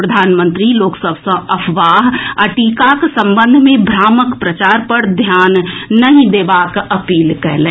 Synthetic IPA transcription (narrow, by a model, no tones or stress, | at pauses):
ɾəd̪ʱaːnmə̃nt̪ɾiloːksəbʱsə̃ɐpʰʋaːɦəʈiːkaksə̃mbə̃nd̪ʱmẽbʱɾaːməkpɾət͡ʃaːɾpɐɾd̪ʱjaːnːɐɦĩd̪eːbaːkɐpiːlkɐɾlẽː